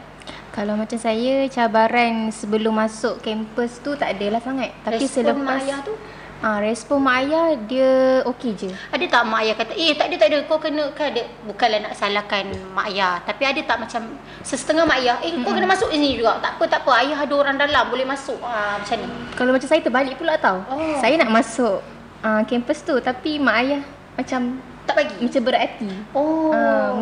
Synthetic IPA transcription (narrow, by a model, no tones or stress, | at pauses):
kalawmat͡ʃamsajət͡ʃabaɾansəbəlʊmːasʊʔkɛmpəst̪ut̪aʔadəlahsaŋat̪̚ːapisələmajat̪u | arɛspɔnmaʔajahdiəoked͡ʒəadət̪aʔmaajahkat̪aʔeht̪aʔdiət̪aʔdəkawkənə̃kaadə | bukanlahnaʔsalahkanmaʔajaht̪apiadət̪aʔmat͡ʃam | səsə̥t̪əŋahmaʔajahʔekawkənəmasʊk̚isnĩd͡ʒuɡaʔt̪aʔpət̪aʔpəajaɦadəoɾaŋdalambolɛhmasʊkamat͡ʃamkalawmat͡ʃamsajat̪əbalɪʔ̚pulaʔt̪awosajanaʔmãsʊʔ | əkɛmpəst̪ut̪apimaʔajah | mat͡ʃam | t̪aʔlaɡimat͡ʃambəɾat̪ioə